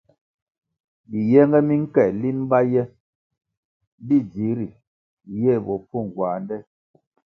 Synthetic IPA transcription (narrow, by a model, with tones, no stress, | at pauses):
bi˨jɛ˦ŋɡɛ˦mi˦ŋ̩˦kɛ˨li˦m˦ba˦jɛ˦ | bi˦˨d͡ʒi˨˦ɾi˨ | jɛ˦˨bɔ˨pu˦˨ŋ˨ɡwaː˨ndɛ˦